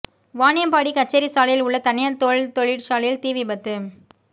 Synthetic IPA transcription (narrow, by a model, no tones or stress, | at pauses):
ʋaːnɪjɐmpaːɽikɐʈ̚t͡ʃːɐɾisaːlɐjɪlʊɭːɐt̪ɐnɪjɐɾt̪oɻɪt̪ɔɻɪɽsaːlɐjɪlt̪iːʋibɐt̪ːɯ